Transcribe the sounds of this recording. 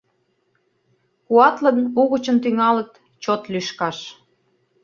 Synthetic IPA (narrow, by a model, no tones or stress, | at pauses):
kuɑt̪lə̆nuɣət͡ɕənt̪yŋɑlə̆k̚t̪ | t͡ɕot̪lyʃkɑʃ